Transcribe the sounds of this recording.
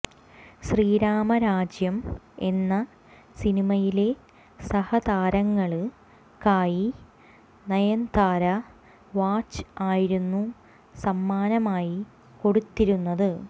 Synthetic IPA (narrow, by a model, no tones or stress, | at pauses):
ɕriːɾaːmɐɾaːd͡ʑjɐme̞nːɐ | sinimɐjile̞ | sɐhɐd̪aːɾɐŋːɐɭɨ | kaːji | nɐjɐnd̪aːɾɐ | ʋaːt͡ɕːɨ̥aːjiɾunːu | sɐmːaːnɐmaːji | ko̞ɽut̪ːiɾunːɐðɨ